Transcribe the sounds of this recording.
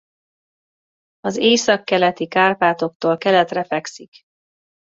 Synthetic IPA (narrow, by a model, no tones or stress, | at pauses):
ɒzeːsɒkːɛlɛt̪ikaːrpaːt̪o̞k̚t̪oːlkɛlɛt̪rɛfɛksik